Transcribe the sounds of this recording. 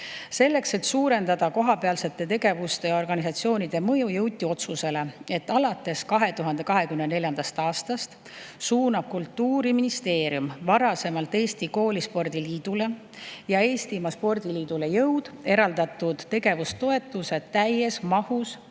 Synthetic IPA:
se̞lːe̞kse̞t̪suːɾe̞nd̪ɑd̪̥ɑko̞ɦɑpeɑlse̞t̪ːˑe̞t̪e̞ɡe̞vust̪e̞jo̞rɡ̥ɑnisɑt̪sio̞ːnid̪̥e̞mɤjujɤwt̪ʲːio̞t̪suse̞le̞e̞t̪ːˑɑlɑt̪ːˑe̞skɑɦe̞t̪uɦɑnd̪e̞kɑɦe̞kymnene̞lʲjɑnd̪̥ɑst̪ɑːst̪ɑst̪ | suːnɑb̥̚kult̪ːuːɾiminist̪e̞ːɾjumvɑɾɑse̞mɑlt̪ːˑe̞ːst̪iko̞ːlispo̞rd̪̥iliːd̪̥ule̞ | jɑe̞ːst̪imɑspo̞rd̪iliːd̪̥ule̞jɤwd̪̥e̞ɾɑld̪ɑt̪ːud̪̥ːe̞ɡe̞vust̪o̞e̞t̪ːˑuse̞t̪æje̞smɑhus

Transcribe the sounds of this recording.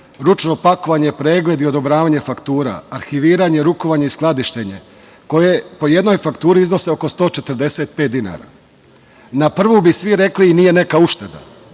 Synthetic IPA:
ɾut͡ʃno̞pako̞ʋaɲe̞pɾe̞ːɡled̪iod̪o̞bɾaːʋaːɲe̞fakt̪uːɾa̰ːɾxiʋiːɾaɲe̞ɾuko̞ʋaɲe̞isklˠad̪iʃt̪eɲe̞ | ko̞jepo̞jed̪no̞jfakt̪uːɾiizno̞seo̞ko̞st̪o̞ːt͡ʃet̪ɾd̪e̞set̪̚pe̞ːt̪̚d̪ina̰ɾa̰ | napr̩ʋubisʋiɾe̞kliːnije̞ne̞kauʃt̪ed̪a̰

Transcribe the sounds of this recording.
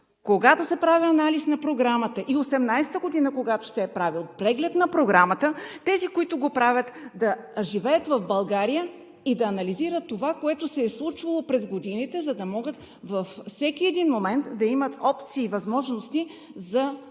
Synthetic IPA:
koɡat̪osɛpɾaviɐnalisnɐpɾoɡɾamət̪əʔiosɛmnajsɛ̥t̪əɡod̪inəkoɡat̪o̥sɛːpɾavilˠpɾɛɡlɛt̪nɐpɾoɡɾamət̪ət̪ɛzikoit̪ʊɡopɾavʲət̪d̪ɐʒivɛjət̪vɐvbɐlˠɡaɾijə | id̪ɐːnɐliziɾət̪ːovakoɛt̪osɛːslˠut͡ʃvɐlˠopɾɛzɡod̪init̪ɛzɐd̪ɐmɔɡət̪ | vɐfsɛk̟iɛd̪inmomɛnt̪d̪ɐimət̪ɔpt̪siːvɐzmɔʒnost̪izɐ

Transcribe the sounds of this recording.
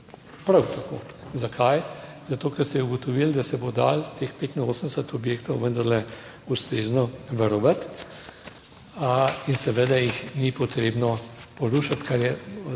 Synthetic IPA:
pɾawt̪ako̰ː | zakʰaj | zat̪oːkɛɾst̪ɛuɡɔt̪ɔʋild̪asɛbod̪a̰ːlt̪expeːt̪inoːsənd̪ɛsət̪ɔbjeːkt̪ɔwʋənd̪ɐɾlɛ | ust̪ɾeːznɔʋɐɾɔʋət̪ | insɛʋed̪ajixnipɔt̪ɾeːbnɔpɔɾuːʃat̪kaɾjɛ

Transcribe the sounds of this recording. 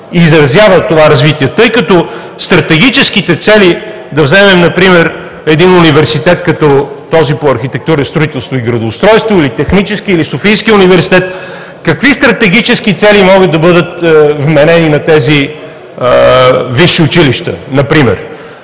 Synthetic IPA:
izɾɐzjavət̪ːovaɾɐzvit̪iɛt̪ɤjkɐt̪ɔ | st̪ɾɐt̪ɛɡ̟it͡ʃɛskit̪ɛt̪sɛli | d̪ɐvzɛmɛmnɐpɾimɛɾ | ɛd̪inʊnivɛɾsit̪ɛt̪kɐt̪ɔ | t̪ɔzipoɐɾxit̪ɛk̚t̪uɾəst̪ɾʊit̪ɛlˠst̪voiɡɾɐd̪oːst̪ɾɔjst̪voilit̪ɛxnit͡ʃɛsk̟iːlisofijskiʊnivɛɾsi̥t̪ɛt̪̚ | kɐkvist̪ɾɐt̪ɛɡ̟it͡ʃɛsk̟it̪sɛlimɔɣəd̪̚ɐbɤd̪ət̪vmɛnɛninɐt̪ɛzi | viʃːiʊt͡ʃiliʃt̪ə̰nɐpɾimɛ̰ɾ

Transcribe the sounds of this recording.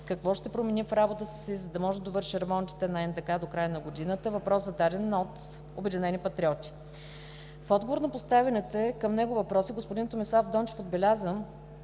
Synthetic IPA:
kɐkvɔʃt̪ɛpɾomɛnifɾabot̪ət̪sizɐd̪ɐmɔʒɛd̪ovɤɾʃiɾɛmɔnt̪i̥t̪ɛnɐɛnd̪ɐkad̪okɾajənɐɡod̪inət̪əvɐpɾɔszɐd̪ad̪ɛnot̪ | obɛd̪inɛnʲipɐt̪ɾʲiɔt̪ʲi̥ | fɔd̪ɡovoɾnɐpʊst̪avɛnɛt̪ɛkəmnɛɡʊvɐpɾɔsiɡospʊd̪int̪omislˠavd̪ɔnt͡ʃɛ̥fod̪bɛlʲazəm

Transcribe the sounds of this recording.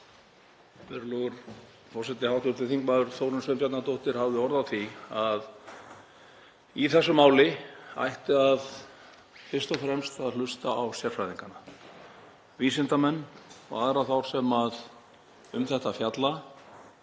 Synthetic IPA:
vɛɾlɔɣʏɾ̥ | fɔrsɛt̪nɪhawt̪ʏt̪ʰɪθiŋkmaðʏɾ̥θowɾʏmsvʏmpjat̪nat̪owht̪ɪɾ̥havðɪhɔɾðawθiað | iθɛsːʏmaːwlɪa̰jht̪ɪað | fɪr̥st̪ɔfɾɛmst̪aðlʏst̪aawsjɛrfɾajðiŋkanːa | viːsɪnt̪amɛnːɔ̰ɣaðɾaθawɾ̥sɛmað | ʏmθɛht̪afjat̪la

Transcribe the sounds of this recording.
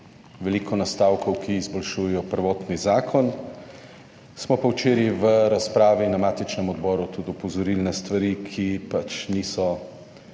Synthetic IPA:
ʋɛlikʰɔnast̪aːwkʰɔwkʰiːzbɔlʃuːjɛjɔpəɾʋɔːt̪nizaːkʰɔn | smɔpɐwt͡ʃeːɾiʋəɾaspɾaːʋinamaːt̪it͡ʃnɛmɔd̪bɔːɾut̪ud̪ɔpɔzɔɾilnɛst̪ʋaɾikʰipat͡ʃnisɔ

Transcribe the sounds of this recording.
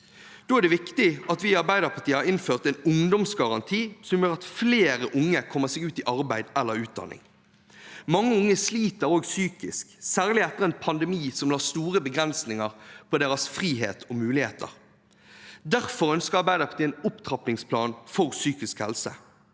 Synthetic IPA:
d̪̥oːæʁd̪ɛʋɪkt̪ɪʔɑt̪ʋɪːɑʁbæɪd̪əʁpʰɑt̪iːəhɑɾɪnføːʁt̪ɛɪnʊŋd̪ɔmsɡɑʁɑnt̪ʰiːsɔmjøːʁɑt̪fleːʁəʔʊŋːəkʰɔmːəʁsɛːɡʉːt̪ɪʔɑʁbæɪd̪ɛlːəɾʉːt̪̚d̪ɑ̰nːɪ̰ŋ | mɑŋːəʊŋːəsliːt̪əɾoːɡsyːkɪsksæːʁlɪɛt̪ːəʁɛnpʰɑnd̪ɛmiːsɔmlɑːst̪uːʁəbəɡʁɛnsnɪŋəʁpʰɔd̪eːʁɑsfʁiːɦḛːt̪ʰɔmʉːlɪhḛːt̪ʰə̰ʁ | d̪æʁfɔʁœnskəʁɑʁbæɪd̪əʁpʰɑ̥ʁt̪ʰiənʊpt̪ʰʁɑpnɪŋspʰlɑ̰ːnfɔʁsyːkɪskhɛ̰lsə̰

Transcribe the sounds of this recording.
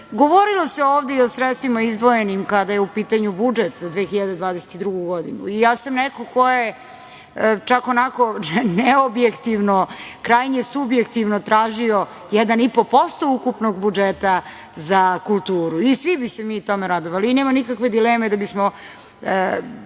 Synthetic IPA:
ɡoʋoɾilˠo̞seoːʋd̪eio̞sɾet̪st̪ʋimaizd̪ʋoje̞nimkad̪ajeupiːt̪aɲubud͡ʒet̪zad̪ʋexiʎad̪ed̪ʋaːd̪eset̪id̪ɾuɡuɡo̞d̪ḭnṵijaːsamnɛkoko̞je | t͡ʃakonakoneobjekt̪iʋnokɾaːjɲesubjekt̪iʋnot̪ɾaːʒio | jɛd̪anipo̞po̞st̪o̞ukupnoɡbud͡ʒet̪a | zakulˠt̪uːɾuisʋibisemiːut̪o̞meɾad̪oʋaliineːmanikakʋe̞d̪ileːmed̪abismo

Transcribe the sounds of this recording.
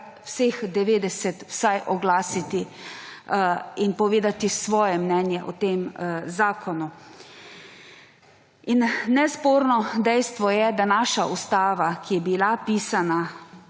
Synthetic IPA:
wsexd̪ɛʋeːd̪ɛsɛt̪wsajʔɔɡlaːsit̪i | inpɔʋeːd̪at̪isʋɔːjɛmnɛnjɛʔɔt̪emzaːkʰɔnu | innɛspoːɾnɔd̪ɛjst̪ʋɔjɛd̪anaːʃaust̪aːʋakijɛbilapiːsana

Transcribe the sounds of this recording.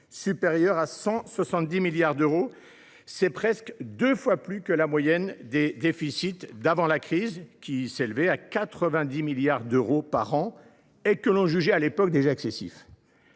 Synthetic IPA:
sypeʁjœʁasɑ̃swasɑ̃t̪̚d̪imiljaʁd̪øʁo | sɛpχɛskd̪øfwaplykəlamwajɛnd̪ed̪efisit̪d̪avɑ̃lakχizkʲiselvɛakat̪χəvɛ̃d̪imiljaʁd̪øʁopa̰ʁɑ̃ | ekəlɔ̃ʒyʒɛalepɔk̚d̪eʒaɛksesḭf

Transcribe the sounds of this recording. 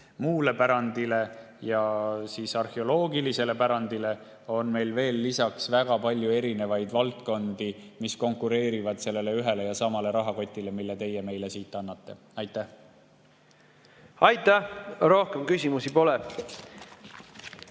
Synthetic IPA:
muːle̞pæɾɑnd̪̥ile̞ | jɑsiːsɑrheo̞lo̞ːɡilise̞le̞pæɾɑnd̪̥ile̞ | o̞nme̞jlve̞ːlːisɑksvæɡ̥ɑpɑlʲjue̞ɾine̞vɑjd̪vɑlt̪ko̞nd̪̥imisko̞ŋkuɾe̞ːɾivɑd̪̥se̞lːe̞le̞yɦe̞le̞jɑsɑmɑle̞ɾɑɦɑko̞t̪ʲːˑile̞milːet̪e̞jeme̞jle̞siːt̪ːˑɑnːɑt̪ːe̞ | ɑjt̪ːˑæh | ɑjt̪æɾo̞hkemkysʲimusipo̞lɛ

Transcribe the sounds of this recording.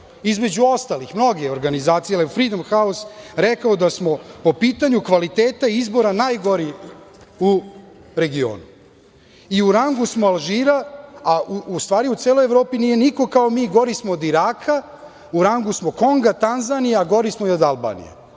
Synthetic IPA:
izme̞d͡ʑuo̞st̪alixmno̞ɡeoɾɡanizaːt̪sijalefɾiːd̪omxaosɾɛkaod̪asmo̞po̞piːt̪aɲukʋalit̪eːt̪aiizbo̞ɾanaːjɡo̞ɾi | u | ɾe̞ɡio̰ːnu | iuɾaŋɡusmoalˠʒiːɾaaust̪ʋaːɾiut̪seːlojeʋɾo̞ːpinije̞niko̞kaomiːɡo̞ɾismood̪iɾaːkʰa | uɾaŋɡusmoko̞ŋɡat̪anzanijeaɡo̞ɾismoiod̪alˠba̰ːnḭjḛ

